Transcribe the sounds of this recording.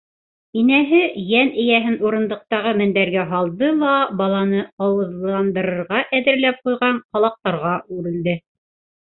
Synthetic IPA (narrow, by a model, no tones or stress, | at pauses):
inæɦɘjænʔɘ̆jæɦɘnuɾɤ̆nd̪ɤ̆q̚t̪ɑʁɤmɘ̆nd̪æɾɡæɦɑlˠd̪ɤlˠɑbɑlˠɑnɤqɑwɤ̆ðlˠɑnd̪ɤ̆ɾɤ̆ɾʁɑʔæðɘ̆ɾlæp̚qujʁɑɴqɑlˠɑq̚t̪ɑɾʁɑʔʉɾɘ̆ld̪ɘ